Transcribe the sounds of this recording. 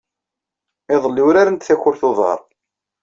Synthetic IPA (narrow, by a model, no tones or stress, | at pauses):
ɪðˤəlːiwɾaɾənt̪θæçʊɾθoðˤɑ̰ɾˤ